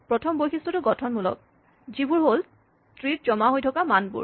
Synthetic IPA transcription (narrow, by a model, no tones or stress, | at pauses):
pɹɔtʰɔmbojxʰistɹɔtʊɡɔtʰɔnmulɔ̰k̚ | zibuɹɦol | tɹit̚zɔmaɦojtʰɔkamanbṵɹ